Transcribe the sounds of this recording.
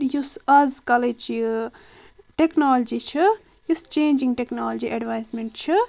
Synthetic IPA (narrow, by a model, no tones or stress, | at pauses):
jusɐzkɐlet͡ʃi | ʈeknaːld͡ʒit͡ʃʰɨ | just͡ʃeːnd͡ʒiŋɡʈeknaːld͡ʒiʔɐɖʋajsmeɳʈt͡ʃʰɨ